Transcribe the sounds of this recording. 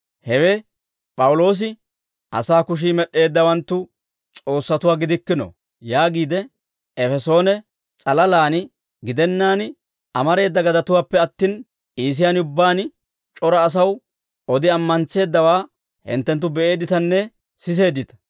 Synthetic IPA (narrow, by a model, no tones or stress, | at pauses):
hɛwɛ | pʼɐwʊlo̞ːs̬ɪ | ʔɐ̰saːkʊʃ̬iːmɛɗːe̞ːd̪ːɐwɐnt̪ːʊ | t͡sʼo̞ːsːɐt̪ʊwaːɡɪd̪ɪkːɪnɔ̰ | jaːɡiːd̪ɛ | ɛfɛso̞ːnɛ | t͡sʼɐlɐlaːnɪ | ɡɪd̪ɛnːaːn | ɐmɐɾe̞ːd̪ːɐɡɐd̪ɐt̪ʊwaːpːɛɐt̪ːiːn | iːs̬ɪjanʊbːaːn | t͡ʃʼɔɾɐːs̬ɐw | ɔd̪ɪɐmːɐnt͡se̞ːd̪ːɐwaː | hɪ̰nt̪ːɛnt̪̬ːʊbɛe̞ːd̪ɪt̪ɐnːɛ | sɪs̬e̞ːd̪ːɪt̪ɐ̥